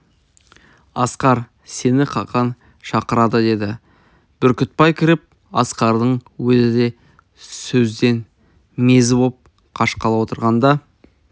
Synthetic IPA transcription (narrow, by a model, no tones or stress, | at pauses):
ɑsqɑɾ | se̞nɪqʰɑqɑn | ʃɑqəɾɑd̪əd̪e̞d̪ɪ | b̥ʏɾkʲʏt̪̚pɑjkʲʰɪɾɪp̚ | ɑsqɑɾd̪əɴwɵzɪd̪e̞ | sɵzd̪e̞n | me̞zɪbop̚ | qʰɑʃqɑlˠɑwo̞t̪əɾʁɑnd̪ɑ